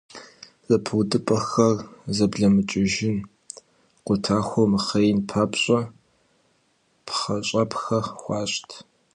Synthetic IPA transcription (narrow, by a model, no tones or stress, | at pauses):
z̥ɐpʰwdɨpʼɐxɐrzɐbɮɐmɨt͡ʃʼɪʒɪn | qʷʊtʰaːxʷɔmɨχɐjnpʰaːpɕʼɐ | pχɐɕʼɐpxɐxʷɑːɕʼtʰ